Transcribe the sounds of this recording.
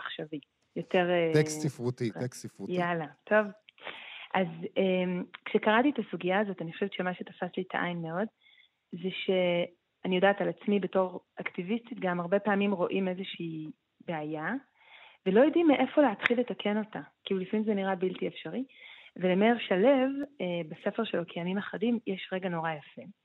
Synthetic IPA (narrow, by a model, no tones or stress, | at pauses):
aχʃavi | jo̞te̞ʁesifʁut̪iksifujalatʰo̞v | ʔazemkʃekaʁatietasuɡijaːzo̞taniχo̥ʃvett͡ʃʃemaʃetafaslitʰaʔajnmeo̞d | zeʃe̞ | anijo̞daːtalat͡smibe̞to̞ʁʔaktivist̪it̪ɡamaʁbe̞paːmimʁo̞ʔime̞zeʃiː | beaja | ve̞lo̞jidimeʔe̞fo̞leatχilːe̞takʰe̞no̞takilulifamimzeniʁabiltiefʃaʁivelemeʁʃalevebase̞feʁʃelokʰejamimaχadimjeʃʁe̞ɡano̞ʁajafem